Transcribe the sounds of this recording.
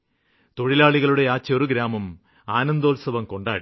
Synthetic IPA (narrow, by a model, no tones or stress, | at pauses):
t̪o̞ɻilaːɭiɣɐɭuɽe̞aːt͡ɕːɐoɾuɡɾaːmɐm | aːnɐnd̪oːlsɐʋɐmko̞ɳɖaːɽi